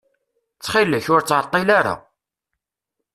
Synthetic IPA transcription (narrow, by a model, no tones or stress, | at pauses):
t͡sːχiləçʊɾt͡sːət̪ˤːilaɾa̰